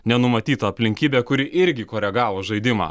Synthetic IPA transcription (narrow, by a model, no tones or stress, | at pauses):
nʲɛnʊmɐt̪ʲiːt̪ɐːpʲlʲɪŋʲkʲiːbʲeːkʊɾʲɪʔɪɾʲɡʲɪkoːɾʲɛɡɑːʋoːʒɐɪd̪ʲɪmɑ̰ː